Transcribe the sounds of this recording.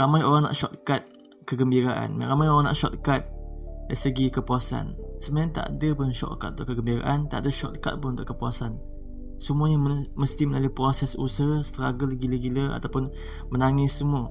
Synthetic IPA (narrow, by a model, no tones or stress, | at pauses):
ramajoɾaŋna̰ʔʃɔt̪̚kat̪̚ | kəɡəmbiɾaʔa̰nmɾamajoɾaŋna̰ʔʃɔt̪̚kat̪̚dajsəɡikəpuasa̰nsəmaant̪a̰ʔdəpʊnʃɔ̰t̪̚ka̰t̪̚unt̪ʊ̰ʔkːəɡəmbiɾa̰ʔant̪a̰ʔdəʃɔ̰t̪̚ka̰t̪̚pʊnunt̪ʊʔkəpuasan | səmuaɲəməst̪iməlalupɾosɛsṵsəst̪əɾaɡəlɡiləɡiləa̰t̪awpʊn | mənaŋɪsːəmuə